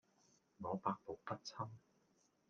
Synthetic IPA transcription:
ŋɔː˨˧paː˧k̚po˨˩wpɐ˥t̚t͡sʰɐ˥m

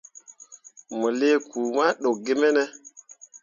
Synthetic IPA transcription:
mo˨le˦kʰuː˨ma˦ɗo˨k̚ɡe˦me˦nɛ˦

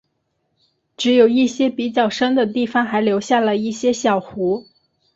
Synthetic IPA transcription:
ʈ͡ʂɻ̩˧˥jo˨˩ʊi˥˩ɕjɛ˥pi˨˩t͡ɕjɑ˥˩ʊʂə˥nd̪ə˨t̪i˥˩fɑ˩ŋxa˧˥ɪljo˧˥ʊɕja˥˩lə˩i˥˩ɕjɛ˥ɕjɑ˨˩ʊxu˧˥

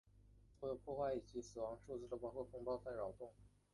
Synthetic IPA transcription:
o˥jo˨˩pʰwɔ˥˧xwa˥˩ɪi˨˩t͡ɕi˧˥sɹ̩˨˩wɑ˧˥ŋʂu˥˧t͡sɹ̩˥˩d̪ə˩pɑ˥ʊkʰo˥˩kʰʊ˥ŋpɑ˥ʊt͡sʰa˥˩ɪɻɑ˨˩ʊt̪ʊ˥˩ŋ

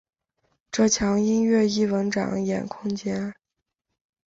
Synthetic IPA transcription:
ʈ͡ʂɤ˥˩t͡ɕʰjɑ˧˥ŋi˥nɥɛ˥˩i˥˩wə˧˥nʈ͡ʂɑ̰˨˩˦ŋjɛ̰˨˩nkʰʊ˥ŋt͡ɕjɛ˥n

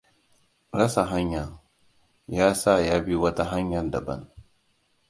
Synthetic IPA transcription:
ɾɐ˦sa˨ɦa˦ɲjɐ˨ŋ | jaː˦sa˦˨jaː˦bi˦wɐ˦ta˦ɦa˦ɲjɐ˨nda˨bɐ̰˦n

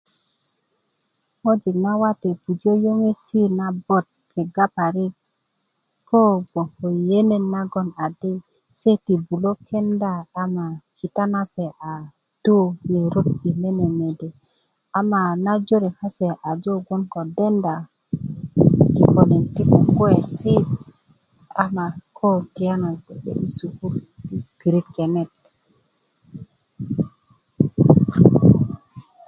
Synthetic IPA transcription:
mo˦d͡ʒi˨kna˦wa˦te˨pu˨d͡ʒo˦jo˦ŋe˦si˦na˦bo˦t̪̚kʰe˨ɡa˦pa˨ɾi˦k̚ | po˦bo˨ho˨je˦ne˨nːa˦ɡo˦na˨di˦ | se˦ti˨bu˨lo˦kʰe˦ndaː˦˨˦ma˨ki˨ta˦na˦se˨ʔa˨ | d̥o˦je˨ɾu˦p̚i˨le˦ne˨me˨de˨ | a˨ma˨na˦d͡ʒo˦ɾi˨ha˦se˨ʔa˨d͡ʒo˦ɡo˦nko˨de˦nda˨ | ki˨ko˨ne˨nti˦ku˦ɡo˦e˨si˦ | a˨ma˨kʰo˦ti˨ja˦na˨bḛ˨mi˦su˨ku˦ɾb̥i˨ɾi˦kːe˨ne˦˨t̚

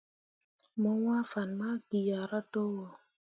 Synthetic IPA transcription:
mɔ˦ŋʷa˦fa˨nma˦ki˨ja˨ɾa˦to˦wɔ˨

